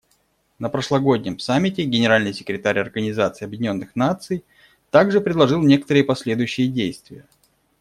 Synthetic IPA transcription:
nəpɾəʂlˠɐɡo̞dʲnʲɪmsamʲːɪtʲɪɡʲɪnʲɪɾalʲnɨjsʲɪ̥kɾʲɪt̪aɾʲɐrɡənʲɪzat̪sɨːɐbjɪdʲɪnʲo̞nːɨxnat̪sɨj | t̪aɡʐɨpɾʲɪd̪lˠɐʐɨlˠnʲe̞kə̥t̪əɾɨjəpɐsʲlʲe̞d̪ʊjʉɕːɪjədʲejst̪vʲɪjə

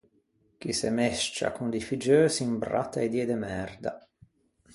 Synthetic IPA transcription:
kisemɛʃt͡ʃa̰kund̪ifid͡ʒøːsimbɾa̰t̪ːaed̪jɛːd̪emɛrd̪a̰

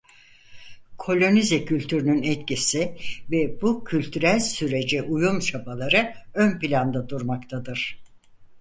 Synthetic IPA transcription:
kʰo̞lʲo̞nizɛcʰylʲt̪ʰyɾynynɛt̪cisivɛbucʰylʲt̪ʰyɾælʲsyɾe̞d͡ʒɛʔujumt͡ʃʰabalˠaɾɯønpilʲand̪ad̪uɾmakt̪ʰad̪ɯɾ̥

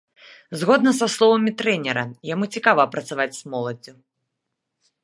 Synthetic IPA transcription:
zɣɔd̪nɐsaslˠɔvɐmʲit̪ɾɛnʲɛɾɐjamut͡sʲikavɐːpɾɐt̪savat͡sʲsmɔlˠɐd͡zʲu

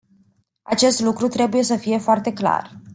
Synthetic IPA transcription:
a̰t͡ʃe̞st̪lukɾut̪ɾe̞buje̞s̬əfije̞foart̪e̞kla̰r

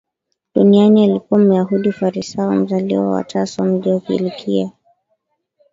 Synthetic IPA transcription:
ɗunianialikuwam̩jaɦuɗifaɾisaɔ̰m̩zalḭwa̰wa̰tasɔm̩lɛukḭlikʰia

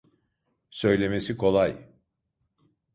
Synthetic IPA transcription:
sø̞jlʲe̞me̞sikʰo̞lˠaj

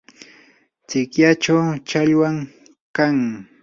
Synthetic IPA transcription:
t͡sɪkjat͡ʃawt͡ʃaʎwaŋ | kaŋ

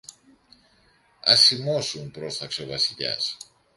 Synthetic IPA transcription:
ɐsimo̞sumpɾo̞st̪ɐkseovɐsiʎɐ̰s

